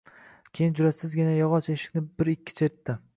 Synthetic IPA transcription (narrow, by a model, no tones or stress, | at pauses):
kʲʰejɪnd͡ʒʊɾasʲsɪzɡʲɪnajɒʁɒt͡ʃeʃɪ̥kʲnɪbɪɾɪkʲʰːɪ̥t͡ʃʰet̪ːɪ